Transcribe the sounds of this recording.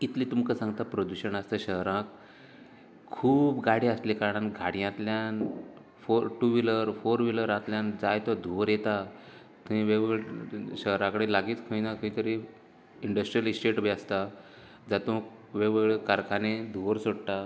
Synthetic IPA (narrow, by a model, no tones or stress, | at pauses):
it̪liːt̪umkəsãŋɡt̪apɾəd̪uɕəɳəst̪əɕəɦɾãk̚ | uːbɡaɽiəst̪likaɾɽ̃anɡʱaɽijãt̪ljan | foɾʈuʋiləɾfoɾʋiləɾãt̪ljãnd͡zajt̪ɔ̃d̪ʱuʋəɾjet̪a | t̪ẽʋeʋeɭɕəɦɾãkəɽelaɡiːt̪kʰəĩnãkʰəĩt̪əɾi | iɳɖəsʈɾijəlsʈeʈbjast̪a | d͡zat̪ũʋeʋɭekaɾkʰaned̪ʱuʋəɾsoɽʈ̪a